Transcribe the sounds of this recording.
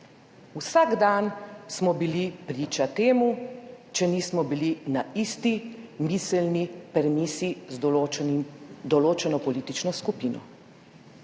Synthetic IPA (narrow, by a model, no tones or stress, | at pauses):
usaɡd̪ansmɔbilipɾiːt͡ʃat̪eːmut͡ʃɛnismɔbilinaist̪imisɛlnipɛɾɛmiːsi | d̪ɔloːt͡ʃɛnɔpɔliːt̪it͡ʃnɔskupiːnɔ̰